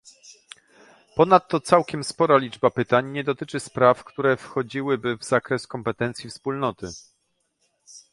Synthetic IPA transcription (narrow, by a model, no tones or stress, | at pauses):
pɔnat̪ːɔt̪sawkʲɛmspɔɾalʲid͡ʐbapɘt̪aɲɲɛd̪ɔt̪ɘt͡ʂɘspɾafkt̪uɾɛfxɔd͡ʑiwɘbɘvz̥akɾɛskɔmpɛt̪ɛnt̪sʲjifspulnɔt̪ɘ